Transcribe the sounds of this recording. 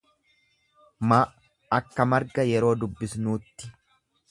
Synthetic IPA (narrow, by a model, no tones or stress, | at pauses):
ma | ɐkːɐmɐɾɡɐjɛɾo̞ːd̪ʊbːɪsnuːt̪ːɪ̥